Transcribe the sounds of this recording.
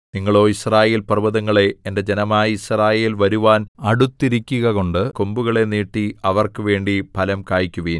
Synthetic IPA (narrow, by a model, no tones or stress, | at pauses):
niŋːɐɭo̞ːisraːjeːlpɐrʋɐðɐŋːɐɭe̞ːnde̞d͡ʑe̞nɐmaːjɐisraːjeːlʋɐɾuʋaːnɐɽut̪ːiɾikʲːuɣɐko̞ɳɖɨko̞mbuɣɐɭe̞niːʈːiɐʋɐrkɨʋe̞ːɳɖipɐlɐmkaːjikʲːuʋiːn